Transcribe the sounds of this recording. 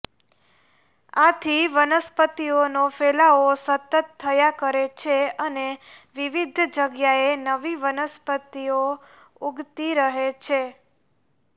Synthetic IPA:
at̪ʰiʋənəspət̪ionofelaosət̪ət̪ʰːəjakəɾet͡ʃʰeəneʋiʋid̪ʱd͡ʒəɡjaenəʋiʋənəspət̪io | uɡt̪iɾəɦet͡ʃʰe

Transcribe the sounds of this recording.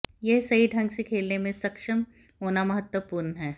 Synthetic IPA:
jeɦsɐɦiɖʱɐ̃ŋɡsekʰeːlnemẽsɐkʃəm | ɦoːnamɐɦət̪wəpuːɾnɦɛː

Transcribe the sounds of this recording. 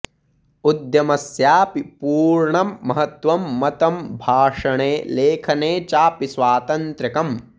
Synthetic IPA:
ud̪jɐmɐsjaːpipuːɾɳɐmːɐɦɐt̪ʋɐmːɐt̪ɐmbʱaːʂɐɳeːleːkʰɐneːt͡ʃaːpisʋaːt̪ɐnt̪ɾɐkɐm

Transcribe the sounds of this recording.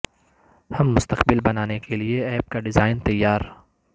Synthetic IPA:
hɐmːʊst̪əqbɪlbɐnaːnekelieɛːb̚kaɖɪzaːɪnt̪ɐjːaːɾ

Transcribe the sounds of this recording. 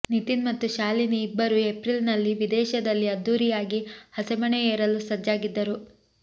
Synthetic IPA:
nit̪inmɐt̪ːuʃaːliniːbːɐɾuepɾilnɐlːiʋid̪ɛːʃɐd̪ɐlːiɐd̪ːuːɾijaːɡihɐsɛmɐɳeeːɾɐlusɐd͡ʒaːɡid̪ːɐɾu

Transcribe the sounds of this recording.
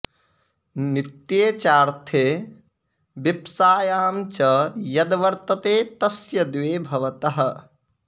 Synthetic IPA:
nit̪jeːt͡ʃaːɾt̪ʰeː | bipsaːjaːmt͡ʃɐjɐd̪ʋɐɾt̪ɐt̪eːt̪ɐsjɐd̪ʋeːbʱɐʋɐt̪ɐɦɐ̆

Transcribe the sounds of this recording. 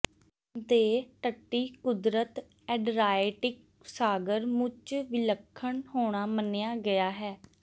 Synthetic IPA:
d̪eːʈəʈːiːkʊd̪ɾət̪ | ɛːɖɾaːɪʈɪk | saːɡəɾmʊt͡ʃʋɪləkʰːəɳhoːɽ̃aːmənejaːɡɪjaːɦɛː

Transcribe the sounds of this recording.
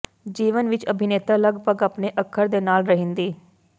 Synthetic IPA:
d͡ʒiːʋənʋɪt͡ʃəbʱɪneːt̪aːləɡpəɡaːpneːʔəkʰːəɾd̪eːnaːlɾəɦɪ̃nd̪iː

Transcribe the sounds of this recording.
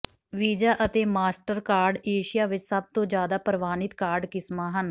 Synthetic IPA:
ʋiːd͡ʒaːʔət̪eːmaːsʈəɾkaːɾɖeːʃɪjaːʋɪt͡ʃsəb̚t̪õːd͡ʒjaːd̪aːpəɾʋaːnɪt̪kaːɾɖkɪsmãːɦən

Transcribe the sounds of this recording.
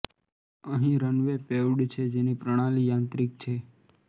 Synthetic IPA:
əɦĩɾənʋepeʋɖt͡ʃʰed͡ʒenipɾəɽ̃alijãːnt̪ɾɪk̚t͡ʃʰe

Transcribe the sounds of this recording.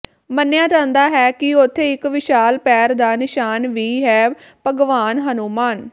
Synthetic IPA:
mənjãːd͡ʒãːnd̪aːɦɛːkɪʊt̪ʰːeːɪkʋɪʃaːlpɛːɾd̪aːnɪʃaːnʋiːɦɛː | pəɡʋaːnɦənuːmaːn

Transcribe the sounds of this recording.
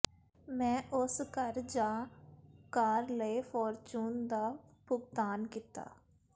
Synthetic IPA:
mɛ̃ːʔʊskəɾd͡ʒaːkaːɾləifʰɔːɾt͡ʃuːnd̪aːpʊɡt̪aːnkiːt̪a̰ː

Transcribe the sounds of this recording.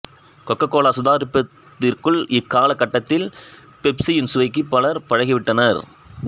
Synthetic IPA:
kɔkːɐkːoːlaːsʊðaːɾɪpːɐt̪ːɪrkɯɭɪkːaːlɐkːɐʈːɐt̪ːɪl | pɛpsijɪnsʊʋɐɪkːɯpːɐlɐɾpɐɻɐɣɪʋɪʈːɐnɐɾ

